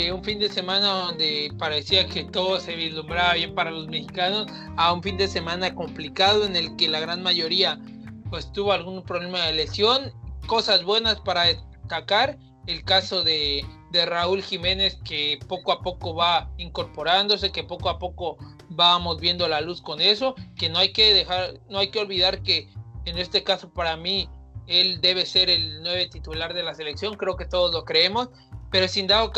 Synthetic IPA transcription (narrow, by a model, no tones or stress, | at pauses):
uɱfind̪e̞se̞mãnaðo̞nd̪e̞paɾe̞siake̞t̪o̞ðose̞βizlumbɾaβaβje̞mpaɾalo̞zme̞xikano̞s | auɱfind̪e̞semãnako̞mplikaðo̞ene̞lke̞laɣɾanmaʝo̞ɾia | pwe̞st̪uβo̞alɣunpɾoβle̞maðele̞sjo̞nko̞sazβwe̞naspaɾaðest̪akaɾ | elkaso̞ðe̞d̪e̞raulxime̞ne̞ske̞po̞koapo̞ko̞βaiŋko̞ɾpo̞ɾand̪o̞s̬e̞ke̞po̞koapo̞ko̞ | βamo̞zβje̞nd̪o̞lalusko̞ne̞so̞ke̞no̞ajke̞ðexaɾnoajkeo̞lβiðaɾke̞ːne̞st̪e̞kaso̞paɾamie̞ld̪e̞β̞e̞se̞ɾe̞lnwe̞β̞e̞t̪it̪ulaɾðe̞lase̞le̞ksjo̞ŋkɾe̞o̞ke̞t̪o̞ð̞o̞zlo̞kɾee̞mo̞s | pe̞ɾo̞sind̪aok